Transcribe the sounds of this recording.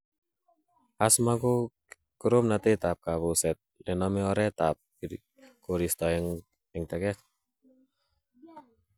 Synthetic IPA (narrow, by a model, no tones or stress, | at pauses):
asmako | kəɾomnat̪et̪ap̚kaβusɛt̪̚lɛnɔmeɔɾɛt̪ap̚ | koɾist̪ɔɛŋ | ɛŋt̪ɛkɛt